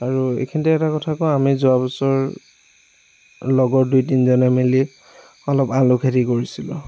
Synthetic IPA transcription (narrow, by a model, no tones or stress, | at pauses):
aɹuḛkʰintɛɛtakɔtʰakɔamizʊabɔsɔɹ | lɔɡɔɹdujtinzɔnɛmeli | ɔlɔpalʊkʰetikoɹisilʊ̰̃